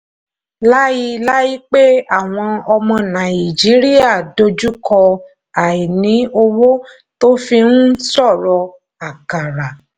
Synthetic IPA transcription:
la˦ji˧la˦ji˦k͡pe˦a˦˨w̃ɔ̃˧ɔ˧mɔ̃˧nã˨i˨d͡ʒi˨˦ɾi˦a˦˨do˧d͡ʒu˦kʰɔ˧ | a˨i˨nĩ˨˦o˧wo˦ | to˦fi˧n̩˦sɔ˦˨ɾɔ˧ | a˨ka˨ɾa˨

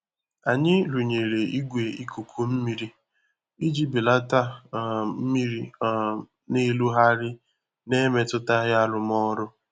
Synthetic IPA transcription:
a˨ɲɪ˦lu˨ɲe˨ɾe˨i˦ɡʷe˨i˦kʰu˨kʰo˦m̩˦mi˦ɾi˦ | i˦d͡ʒi˦bi˨la˦ta˦˨m̩˦mi˦ɾi˦ | ne˦lu˦ɦa˦ɾɪ˦ | ne˦me˦tʊ˦ta˦ɣja˦lʊ˨mɔ˦ɾʊ˦

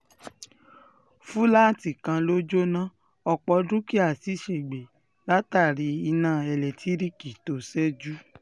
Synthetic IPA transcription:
fũ˦la˦˨ti˨kã˧lo˦d͡ʒo˦nã˦ | ɔ˧k͡pɔ˧dũ˦ki˦a˦˨si˨˦ʃe˨ɡ͡be˨ | la˦ta˦˨ɾi˧˦i˧nãː˦˨ɛ˨lɛ˨tʰi˨˦ɾi˦ki˨to˨sɛ˦d͡ʒu˦

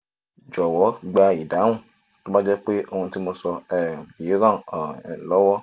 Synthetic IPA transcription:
d͡ʒɔ˨wɔ˨˦ɡ͡ba˧i˨dã˨˦ũ˦˨ | to˦ba˦d͡ʒɛ˦k͡pe˦ʔo˧hũ˧ti˦mo˧sɔ˧ɛ˨ji˨˦ɾã˦˨lɔ˨˦wɔ˦

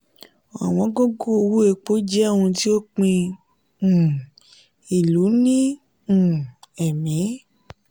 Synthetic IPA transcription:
a̰˨w̃ɔ̃˨˦ɡo˦ɡo˦o˧wu˦e˧k͡po˨˦d͡ʒɛ˦a˦˨wɔ̃˧ti˦o˦k͡pĩ˧ | ũ˨ | i˨lu˨˦nĩ˦ | ũ˨ɛ˨mĩ˨˦

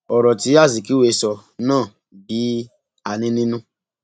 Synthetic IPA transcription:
ɔ˨ɾɔ˨ti˨˦a˦˨zi˨ki˨˦we˧sɔ˧nãː˦˨ | bi˨˦ | a˨nĩ˧nĩ˦nũ˦

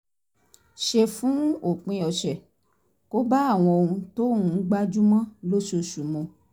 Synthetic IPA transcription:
ʃe˧fũ˨˦o˦˨k͡pĩ˧ɔ˧ʃɛ˨ | ko˦ba˦a˦˨w̃ɔ̃˧o˧ɾũ˧to˦ũ˨˦ɡ͡ba˦d͡ʒu˦mã˦lo˦ʃo˧ʃu˨mɔ̃˨˧

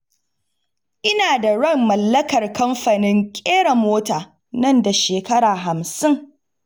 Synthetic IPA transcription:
ʔɪ˦naː˨da˨ɽɐ˦˨mːɐ˨lːɐ˦kɐ˨rkɐ˦mɸɐ˨nɪ˦ŋkʲʼeː˦ɽa˨moː˦taː˨ | nɐ˦˨nda˨ʃeː˨kɐ˦ɽaː˨ɦa˨msɪ˦ŋ

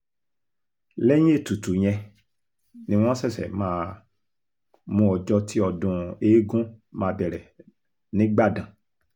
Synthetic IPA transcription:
lɛ˦j̃e˦˨tu˨tu˨ɲ̃ɛ̃˧ | nĩ˧˦w̃ɔ̃˦sɛ˦˨sɛ̰˨mãː˦˧ | mũ˧ɔ˧d͡ʒɔ˧ti˦ɔ˧dũ˧eː˨˦ɡũ˦mãː˧bɛ˨ɾɛ˨ | nĩ˨˦ɡ͡ba˦˨dã˨

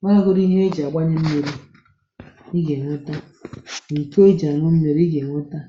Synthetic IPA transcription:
ŋa˦a˦ɡʊ˦ɾi˦ɦe˦d͡ʒa˨a˨ɡ͡bʷa˦ɲe˦m̩˦me˨ɾi˦ | i˦ɡe˨ŋʷʊ˦ta˦ | ŋ̩˨ko˦d͡ʒa˨nʊ˦m̩˦me˨ɾi˦i˦ɡe˨ŋʷʊ˦ta˦

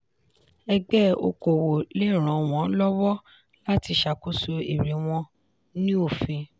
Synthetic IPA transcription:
ɛ˧ɡ͡bɛ˦o̰˧ko˨wo˨le˦˨ɾ̃ã˨w̃ɔ̃˨˦lɔ˦wɔ˦ | la˦ti˧ʃa˨ko˦so˧i˨ɾi˨˦w̃ɔ̃˧ | nĩ˦o˦˨fẽ˧

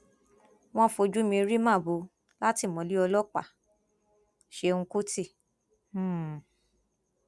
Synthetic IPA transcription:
w̃ɔ̃˦fo˧d͡ʒu˦mĩ˧ɾi˦mã˦˨bo˨˧˦ | la˦ti˦˨mɔ̃˨˦li˦ɔ˧lɔ˦k͡pa̰˦˨ | ʃe˧ũ˧ku˦tĩ˦˨˦

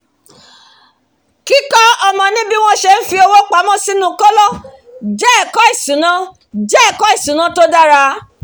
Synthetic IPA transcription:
ki˦kɔ˦ɔ˧mɔ̃˧nĩ˦bi˦w̃ɔ̃˦˨ʃe˧n̩˦fi˧o˧wo˦k͡pa˨˦mɔ̃˦si˦nũ˦kɔ˦lɔ˦˨ | d͡ʒɛ˦˨kɔ˦i˦˨sũ˨˦nã˦ | d͡ʒɛ˦˨kɔ˦i˦˨sũ˨˦nã˦to˦da˦ɾa˧˦

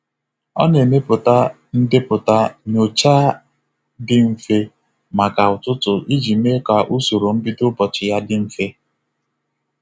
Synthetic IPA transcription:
ɔ̰˦ne˨me˦pʊ˨ta˦ | n̩˦dɪ˦pʊ˨ta˦ɲo˨t͡ʃa˦ | dɪ˦m̩˨fe˦ | ma˨ka˨ʊ˨tʊ˦tʊ˨ʔi˦d͡ʒi˨me˦ka˨ʔu˦so˨ɾo˨m̩˦bi˦dʊ˦bɔ˨t͡ʃɪ˨ja˦dɪ˦m̩˨fe˦

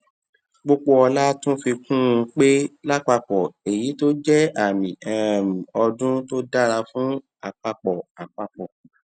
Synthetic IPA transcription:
ɡ͡bo˧k͡po˧ɔ˧la˦tũ˦fi˧kũ˦ũ˧k͡pe˦la˦k͡pa˧k͡pɔ˨e˨ji˨˦to˦d͡ʒɛ˦a˨mĩ˨ɛ˨m˨ɔ˧dũ˦to˦da˦ɾa˧fũ˨˦ | a˨k͡pa˧k͡pɔ˨a˨k͡pa˧k͡pɔ˨

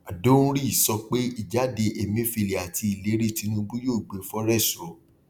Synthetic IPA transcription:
a˨do˦ũ˦ɾi˦˨sɔ˧k͡pe˦i˦˨d͡ʒa˨˦de˧ʔe˨mĩ˧˦fi˧˨le˨a˨ti˧i˨le˨˦ɾi˦˨ti˧nũ˧bũ˦joː˦˨ɡ͡be˨˦fɔ˦ɾɛ˦˨sɔ˨˦

